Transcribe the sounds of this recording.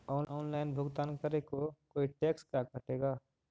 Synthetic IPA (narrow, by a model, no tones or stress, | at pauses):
ɔːnɔːnlaːɪnbʱʊɡt̪aːnkəɾekokoːiʈeːkskakəʈeːɡaː